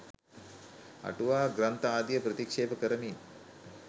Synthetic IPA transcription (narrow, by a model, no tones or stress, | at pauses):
ɐ̰ʈuʋaːɡɾɐnt̪ɐaːd̪jɐpɾɐt̪ikʂeːpɐkɐɾɐmiːn